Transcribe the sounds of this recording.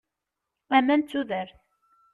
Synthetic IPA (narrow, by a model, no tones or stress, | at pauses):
æmænt͡sːuðəɾθ